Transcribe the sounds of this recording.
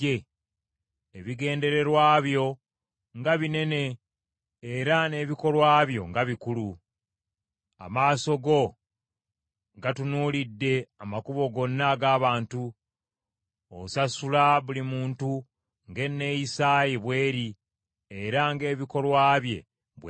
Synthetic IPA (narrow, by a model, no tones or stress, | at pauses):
e | eβiɡe̞ːnde̞ɾe̞ɾwaːβjo̞ | ŋɡaβine̞ne̞ː | ɾane̞βiko̞lwaːβjo̞̰ŋɡaβikulu | a̰maːso̞ɡo̞ | ŋɡatunuːlidːe̞amakuβo̞ɡo̞nːaɡaːβaːntu | osasulaβulimuːntu | ŋɡe̞nːe̞jisaːjiβwe̞ːɾi | eɾaŋɡe̞ːβiko̞lwaːβje̞̰ | βw